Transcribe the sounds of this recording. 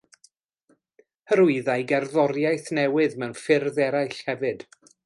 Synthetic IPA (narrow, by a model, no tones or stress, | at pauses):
həɾʊɨðajɡɛrðɔɾjajθnɛwɨðmɛwnfɪrðɛɾajɬhɛvɨd̥